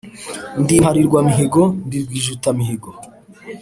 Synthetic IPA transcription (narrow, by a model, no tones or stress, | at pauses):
ndihaɾiɾɡwamiɦeɡondiɾɡwiːʒutamiɦeɡo